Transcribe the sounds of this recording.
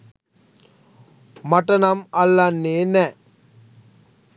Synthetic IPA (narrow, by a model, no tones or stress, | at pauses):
mɐʈːɐnɐmɐlːɐnːeːnɛ